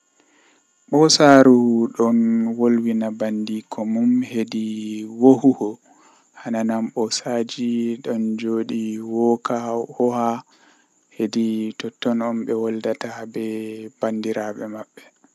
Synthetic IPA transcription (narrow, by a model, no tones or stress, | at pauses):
ɓɔsaɾuɗɔnwolwinabandikʰɔmumhediwohuhɔ | hananamɓɔsad͡ʒiɗɔnd͡ʒoːɗiwɔkahɔha | heditɔtːɔnɔmɓɛwɔldatabɛb̥andiɾaɓɛmaɓːɛ̥